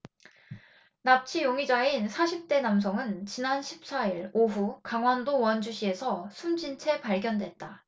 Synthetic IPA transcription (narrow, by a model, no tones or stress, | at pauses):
nap̚t͡ɕʰijoŋid͡ʑainsʰaɕʰip̚t͈e̞nams̬ʰʌŋɯnt͡ɕinanɕʰip̚s͈aiɾoɸukaŋwandowʌnd͡ʑuɕʰie̞sʰʌsʰumd͡ʑint͡ɕʰe̞paɭɡjʌndwe̞t̚t͈a